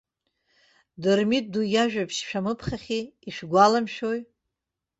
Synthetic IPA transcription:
dɨrmit̚dujaʒᶣapʰʃʃᶣamɨpʰχaχʲiːʃɡʷalamʃᶣoj

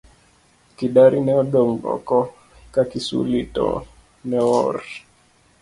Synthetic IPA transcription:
kiɗaɾʔinɛɔɗɔŋɡɔ̰kɔ | kakisṵlitɔ̰ | nɛɔɾ

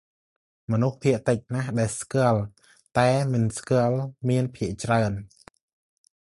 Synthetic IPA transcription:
mɔnuhpʰiəʔt̪ɨc̚nahɗaɛlskɨ̆əl | t̪aɛmɨnskɨ̆əlmiənpʰiəʔt͡ɕraən

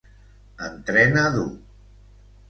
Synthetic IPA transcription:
ənt̪ɾɛnaðu

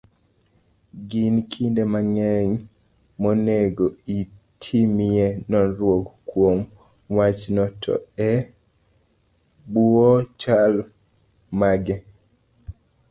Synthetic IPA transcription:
ɡinkʰindemaŋɛɲ | moneɡoitʰimienɔnɾwokkːwom | wat͡ʃnɔtʰɔ̰ɛ | buot͡ʃal | maɡɛ

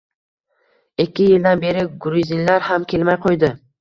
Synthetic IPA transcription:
ekʲʰːɪjɪld̪anbe̞ɾɪɡʊɾizinlaɾhamkʲʰe̞lmajqʰojd̪ɪ

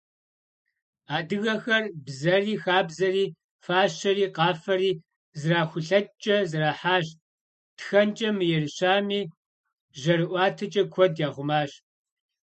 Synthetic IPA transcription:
aːdɨɣɐxɐrbzɐriːxaːbzɐriː | faːɕɐriːqɑːfɐɾiː | zɨraːxʷʊɬɐt͡ʃʼɐzɨraːħaːɕ | txɐnt͡ʃʼɐmɨjɛrɨɕaːmiː | ʒɐɾɨʔʷɑːtʰɐt͡ʃʼɐkʷʰɔdjaːʁʷʊmaːɕ

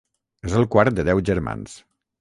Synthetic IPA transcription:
ezəlˠkwaɾt̪̚d̪əðɛwʒəɾma̰ns

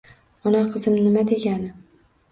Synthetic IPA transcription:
ɒnaqʰɨzɪmnɪmad̪e̞ɡʲanɪ

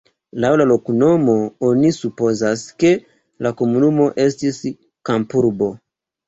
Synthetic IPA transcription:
lawlalo̞kuno̞mo̞onisupo̞zaske̞ | lako̞munumo̞ʔe̞stis | kampuɾbo̞

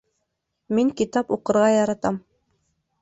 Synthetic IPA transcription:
miŋkit̪ɑpuqɤ̆ɾʁɑjɑɾɑt̪ɑm

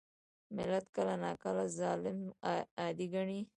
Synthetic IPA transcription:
mɪlat̪kəlanɑkalazɑlɪmɑd̪iɡaɳi

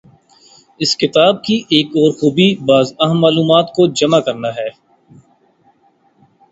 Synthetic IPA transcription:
ɪskɪt̪aːb̚kiʔeːkɔːɾxuːbibaːzɐɦəmːaːluːmaːt̪kod͡ʒɐmakɐɾnaɦɛː

